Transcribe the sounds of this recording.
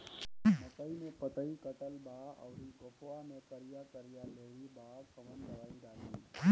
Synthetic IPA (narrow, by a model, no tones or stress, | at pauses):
mət̪əimepət̪əikət̪əlbaə̰ʊɾiɡopʰoamekəɾijakəɾijaleɦibakʰəmənd̪əʋaid̪ali